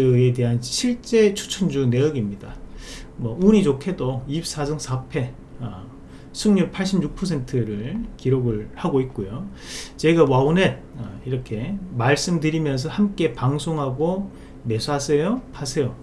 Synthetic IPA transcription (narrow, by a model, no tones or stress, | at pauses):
ede̞ɦanɕʰiɭt͡ɕ͈e̞t͡ɕʰu̥t͡ɕʰund͡ʑune̞jʌɡimɲidamwʌuɲit͡ɕokʰe̞doip̚s͈asʌŋsʰapʰe̞ | ʌ | sʰɯmɲuk̚pʰaɭɕ͈imjuk̚pʰʌs̬ʰe̞ntʰɯɾɯɭkiɾoɡɯɭhaɡoit̚k͈ojo | t͡ɕe̞ɡawaunɦe̞d̚ʌiɾʌkʰe̞maɭs͈ɯmdɯɾimjʌns̬ʰʌhamk͈e̞paŋsʰoŋɦaɡo | me̞sʰasʰʌjopʰasʰe̞jo